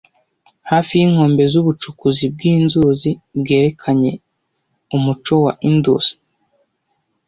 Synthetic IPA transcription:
haːfijiŋ̥ho̞ːmbe̞zuβut͡ʃukuzib̚ɡiːnzuzibɡe̞ːɾe̞kʰaɲe̞ | umut͡ʃo̞wa̰ʔindṵz̥i̥

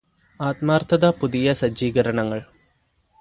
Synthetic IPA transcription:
aːt̪̚maːrt̪ʰɐðapuðijɐsɐd͡ʑiːɡɐɾɐɳɐŋːɐɭ

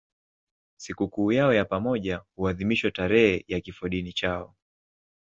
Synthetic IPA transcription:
sikukuːjaɔjapamɔʄahuaðimiʃwɛtaɾɛhɛjakifɔɗinit͡ʃaɔ

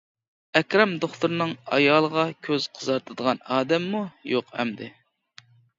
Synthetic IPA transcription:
ɛkʲɾɑmd̪oχt̪uɾnɨŋɑ̰jɑːlˠəʁɑkʲʰøz̥qʰəzɑɾt̪ʰɨd̪əʁɑnɑːd̪ɛmːujoqhɛ̰md̪ɪ̰

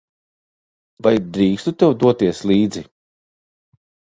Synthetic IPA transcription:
vajd̪ɾiːkst̪ut̪ewd̪uɔt̪iɛslˠiːd̪zi

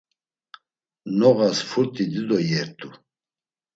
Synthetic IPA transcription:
nɔɣasfʰuɾt̪ʼid̪id̪ɔjɛɾt̪ʰʼu

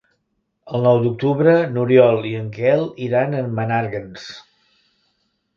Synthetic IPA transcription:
əlˠnɔwd̪uk̚t̪uβɾənuɾiɔlˠiəŋkɛlˠiɾanənːənaɾɣəns

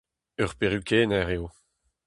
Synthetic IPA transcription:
œʁpeʁykʲʰeːnɛʁeo

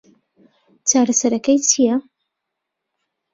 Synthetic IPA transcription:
t͡ʃaːɾɐsɐɾɐkɐjt͡ʃʰijɐ

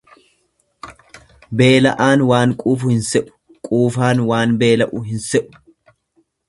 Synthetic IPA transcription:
be̞ːlɐ̰ʔaːnwaːŋkʼuːfʊhɪnsɛʔʊ̥ | kʼuːfaːnwaːnbe̞ːlɐʔʊɦɪnsɛʔʊ̥

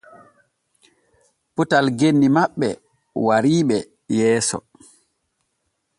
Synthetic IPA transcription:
putalɡenːimaɓːɛ | waɾiːɓɛ | jɛːsɔ̰

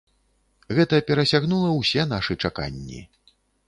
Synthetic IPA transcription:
ɣɛt̪ɐpʲɛɾɐsʲaɣnulˠɐwsʲɛnaʂɨt͡ʂaka̰nʲːḭ

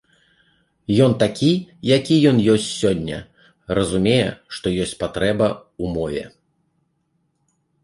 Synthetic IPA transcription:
jɔnt̪akʲijakʲijɔnjɔsʲt͡sʲsʲɔnʲːɐ̰ | rɐzumʲɛjɛ̰ʂt̪ɔjɔsʲt͡sʲpat̪ɾɛbɐumɔvʲɛ̰

